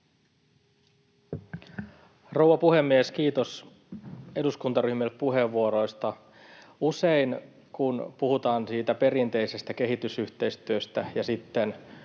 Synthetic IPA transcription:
rowʋɑpuɦe̞mːieskiːt̪o̞s | e̞duskunt̪ɑɾyhmilpuɦe̞ʋːuoɾo̞jst̪ɑ | use̞in | kunpuhut̪ɑːnsiːt̪æpe̞ɾint̪e̞ise̞st̪æke̞ɦit̪ysyçt̪e̞ist̪yøst̪æjɑsit̪ːe̞n

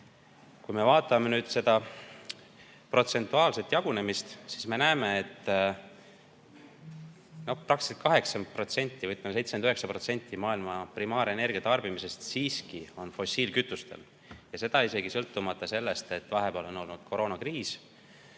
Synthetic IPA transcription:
kujme̞vɑːt̪ːˑɑmenyːd̪̥se̞d̪ɑ | pro̞t̪se̞nt̪ːˑuɑːlse̞t̪ːjɑɡ̥une̞mist̪sisme̞næːmeet̪ːˑ | no̞hprɑksit̪̚kʰɑɦe̞ksɑmpro̞t̪se̞nʲt̪ːivɤt̪ːˑmse̞jt̪smenyhe̞ksɑpɾro̞t̪se̞nʲt̪ˑːimɑːilmɑprimɑːɾe̞ne̞rɡiɑt̪ɑrb̥imise̞st̪siːskio̞nfo̞siːlkyt̪ːˑust̪ḛl | jɑse̞d̪ɑise̞ɡisɤlt̪ːumɑt̪ːˑɑse̞lːe̞st̪e̞t̪ːvɑɦe̞peɑlo̞no̞lnud̪̥kʰo̞ɾʔo̞ːnɑkriːs

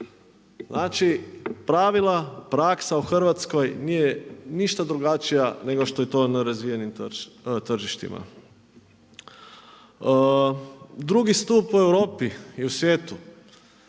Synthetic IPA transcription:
znʔaːt͡ʃipɾaʋilˠapɾaksauxr̩ʋat̪sko̞jniːjeniʃt̪ad̪ɾuɡat͡ʃijane̞ɡo̞ʃt̪o̞jet̪o̞ːnaɾazʋijenimt̪r̩ʒiʃt̪ḭma̰ | d̪ɾuɡist̪uːpue̞wɾo̞ːpiiusʋje̞ːt̪u

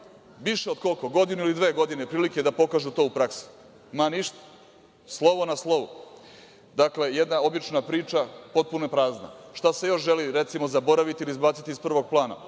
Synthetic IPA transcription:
ʋiʃeod̪ko̞lko̞ɡo̞d̪inuilid̪ʋe̞ːɡo̞d̪ine̞pɾiːlikeed̪apo̞kaːʒut̪o̞ːupɾaksi̥ | maniʃt̪ḁ | slˠo̞ʋo̞naslˠo̞ʋṵ | d̪akle̞jed̪nao̞bit͡ʃnapɾiːt͡ʃapo̞t̪̚punoepɾaːzna̰ʃt̪ase̞jo̞ʃʒeliɾe̞t̪simozabo̞ɾaʋit̪ilizbaːt̪sit̪ispr̩ʋo̞ɡ̚plˠaːna̰

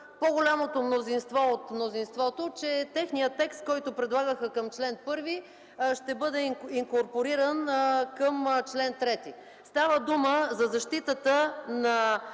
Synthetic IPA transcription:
poɡolʲamot̪omnozinst̪vɔot̪mnozinst̪vɔt̪ot͡ʃɛt̪ɛxnijət̪ːɛkst̪̚kɔjt̪opɾɛd̪lˠaɡəxəkəmt͡ʃlɛnpɤɾvi | ʃt̪ɛbɤd̪ɛiŋkoɾpoɾiɾənkəmt͡ʃlɛnt̪ɾɛt̪i | st̪avəd̪uməzɐzɐʃt̪it̪ət̪ənɐ

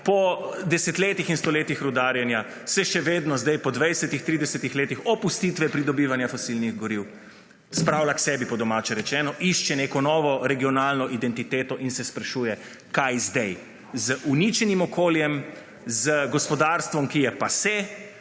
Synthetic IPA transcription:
pɔd̪ɛsɛt̪leːt̪ixinst̪ɔleːt̪ixɾud̪aːɾjɛnja | sɛʃɛʋeːd̪nɔzd̪ajpɔd̪ʋɛjsɛt̪ixt̪ɾiːd̪ɛsɛt̪ixleːt̪ixɔpust̪it̪ʋɛpɾid̪ɔbiːʋanjafɔsilniɣɡɔɾiw | spɾaːwlʲaksɛːbipɔd̪ɔmaːt͡ʃɛɾɛt͡ʃɛːnɔʔiʃt͡ʃɛneːkɔnɔːʋɔɾɛɡijɔnaːlnɔʔid̪ɛnt̪it̪eːt̪ɔʔinsɛspɾaʃujɛ | kajzd̪ɛj | zəʔunit͡ʃɛnimɔkoːljɛm | zəɡɔspɔd̪aːɾst̪ʋɔmkijɛpasɛ

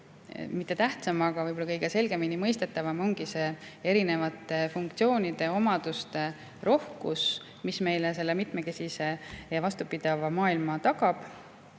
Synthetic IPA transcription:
mit̪ˑːe̞t̪æht̪sɑmɑɡ̥ɑvɤjbolːɑkɤ̞jɡ̥e̞se̞lɡ̥eminimɤjst̪e̞t̪ːˑɑvɑmo̞ŋɡ̥ise̞ːe̞ɾine̞vɑt̪ːˑe̞fuŋkt̪sio̞ːnid̪̥e̞o̞mɑd̪ust̪e̞ | ɾo̞hkṵs | misme̞jlese̞lːemit̪me̞ke̞sise̞jɑvɑst̪upid̪̥ɑvɑmɑːilmɑt̪ɑɡ̥ɑb̥

